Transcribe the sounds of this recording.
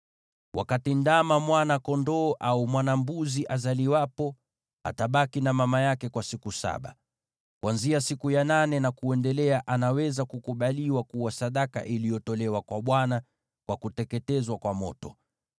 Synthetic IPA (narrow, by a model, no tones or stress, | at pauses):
wʔa̰katindamamwanakɔndɔːʔaumwanambuziʔazaliwapɔ | a̰taɓakinamamajakɛkwasikusa̰ɓa̰ | kwanziasikujananɛnakuɛndɛlɛaʔanawɛzakukuɓaliwakuwasaɗaka̰ʔilijɔtɔlɛwakwaɓwana | kwakutɛkɛtɛzwakwamɔ̰tɔ